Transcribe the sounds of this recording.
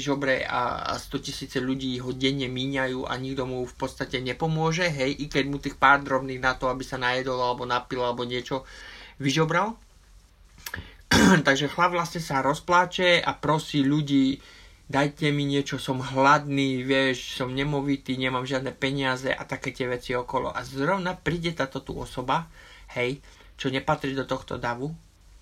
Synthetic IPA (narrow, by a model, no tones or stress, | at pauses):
iʒɔbɾɛa̰st̪ɔcisiːt͡sɛʎuɟiːɦɔɟɛɲːɛmiːɲajuːʔa̰ɲiɡd̪ɔmufpɔt̪st̪acɛɲɛpɔmʊɔʒɛɦɛjʔikɛɟmut̪iːxpaːɾd̪ɾɔbniːɣnat̪ɔabisanajɛd̪ɔlalɛbɔnapilalɛbɔɲɪɛt͡ʃɔʋiʒɔbɾal | t̪aɡʒɛxlaʋlasɲɛsaɾɔsplaːt͡ʃɛa̰pɾɔsiːʎuɟiː | d̪ajcɛmiɲɪɛt͡ʃɔsɔmɦlad̪niːʋɪɛʃsɔmɲɛmɔʋit̪iːɲɛmaːmʒɪad̪nɛːpɛɲɪazɛʔa̰t̪akɛːt̪ɪɛʋɛt͡siɔkɔlɔ̰ʔazɾɔʊnapɾiːɟɛt̪aːt̪ɔt̪ṵɔ̰sɔbahɛj | t͡ʃɔɲɛpat̪ɾid̪ɔt̪ɔxt̪ɔ̰d̪aʋu